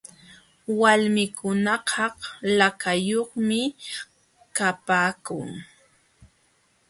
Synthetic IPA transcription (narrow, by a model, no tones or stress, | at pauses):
walmɪkʊnɑqɑhlakajoχmɪ | kapaːkʊ̰ŋ